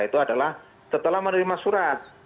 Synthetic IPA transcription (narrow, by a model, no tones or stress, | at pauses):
it̪uadalah | sət̪əlahmənɾimasuɾat̪̚